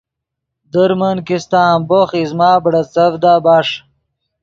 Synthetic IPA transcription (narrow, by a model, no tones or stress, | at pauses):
d̪əɾmənkist̪aːmboχizmaːbɽɐt͡sɐvd̪aːbaːʂ